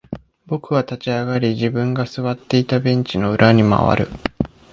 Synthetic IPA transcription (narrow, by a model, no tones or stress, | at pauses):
bo̞kɯ̟βat̪at͡ɕiaɡaɾʲiʑibɯ̟̃ŋɡasɨβat̪ːe̞it̪abẽ̞ɲ̟t͡ɕino̞ɯ̟ɾʔaɲ̟ima̰βa̰ɾɯ̟̰